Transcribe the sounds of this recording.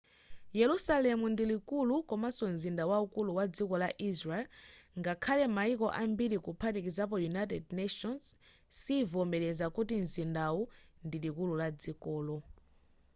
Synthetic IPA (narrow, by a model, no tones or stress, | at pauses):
jɛlusalɛmundilikulukɔmasɔnzindawaukuluwad͡zikɔlaʔisɹaɛlŋɡakʰalɛmaikɔʔambiɾikupʰatikizap̬ɔjunajtɛdnɛʃɔns | siːvɔmbɛɾɛzakutinzindawundilikululad͡zikɔːlɔ